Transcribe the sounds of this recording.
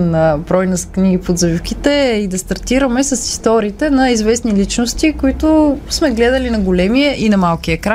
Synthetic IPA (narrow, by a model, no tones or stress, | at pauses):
nɐbɾɔjnɐskniɡipod̪zɐvifk̟it̪ɛid̪ɐst̪ɐɾt̪iɾɐmɛsɐsi̥st̪ɔɾiːt̪ɛnɐizvɛsnilit͡ʃnost̪ikoit̪ʊsmɛɡlɛd̪ɐlinɐɡolɛmiəʔinɐmalˠkiəkɾa